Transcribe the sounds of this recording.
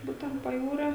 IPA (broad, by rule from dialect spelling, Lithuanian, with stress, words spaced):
ˈbuːtʲɛnt pɐˈjuːrʲoː